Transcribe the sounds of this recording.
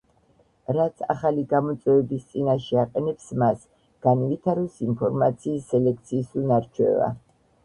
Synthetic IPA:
ɾat̪sʰa̰χaliɡamɔt̪sʼwɛvɛbist̪sʼinaʃɛaqʼɛnɛpsmas | ɡ̥anvit̪ʰaɾusimpʰɔɾmat̪sʰiːsːɛlɛk̚ʰt̪sʰiːsunaɾt͡ʃʰwɛ̰va̰

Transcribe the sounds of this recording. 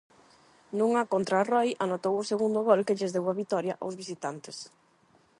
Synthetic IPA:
nũŋakont̪ɾarɔjanot̪owʊseɣund̪ʊɣɔlkɪʎɪzðewaβit̪ɔɾjɐʔawzβis̬it̪ant̪ɪs

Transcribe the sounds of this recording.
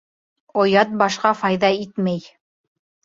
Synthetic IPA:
ŏjɑt̪̚bɑʃqɑfɑjðɑit̪mæj

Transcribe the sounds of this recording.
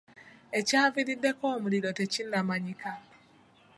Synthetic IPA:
ecaːviɾidːe̞koːmuliɾotecinːamaɲika

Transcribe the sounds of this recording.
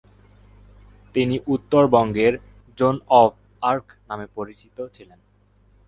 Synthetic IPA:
t̪iniʔut̪ːoɾbɔŋɡeɾ | d͡ʑonɔb | aɾknamepoɾit͡ɕit̪ot͡ɕʰilen

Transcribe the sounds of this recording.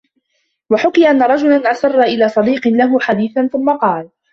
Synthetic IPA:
waħʊkɪjʔanːaɾˤɑd͡ʒʊlanʔasɑrˤːɑʔɪlaːsˤɑd̪iːqɨlaɦʊħad̪iːθanθʊmːaqɑːl

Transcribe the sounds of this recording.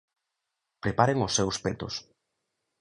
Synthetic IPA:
pɾepaɾeŋʊsːewspet̪ʊs

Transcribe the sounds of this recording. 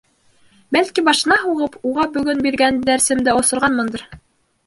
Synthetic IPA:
bælkibɑʃɤ̆nɑɦuʁɤpuʁɑbɵ̆ɡɵnbiɾɡænd̪æɾsɘ̆md̪ɘŏsŏɾʁɑnmɤ̆nd̪ɤɾ

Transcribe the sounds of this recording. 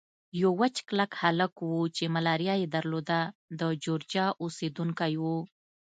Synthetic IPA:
jowat͡ʃklakhaləkwut͡ʃemalɑɾjɑjed̪aɾlod̪ad̪əd͡ʒoɾd͡ʒɑʔused̪uŋkajwu

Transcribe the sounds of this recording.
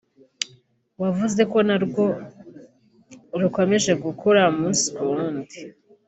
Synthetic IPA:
wavuze̞ko̞naɾɡo̞ | ɾuko̞me̞ʒe̞ɡukʰoɾamuːnsi̥kuɾuːndi

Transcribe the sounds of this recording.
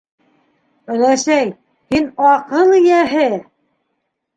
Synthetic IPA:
ɵ̆læsæj | hinɑqɤlˠijæɦɘ

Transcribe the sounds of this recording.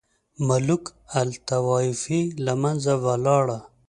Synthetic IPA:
malukalt̪awɑːifilamanzawalɑːɽa

